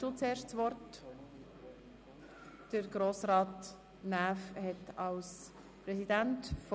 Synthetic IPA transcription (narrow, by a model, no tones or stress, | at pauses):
ot͡seːɾʃtt͡sʋɔɾt | d̥əɾɡ̥ɾoːsɾɑːt | næːfhɛtɑls | pɾɛsidæntf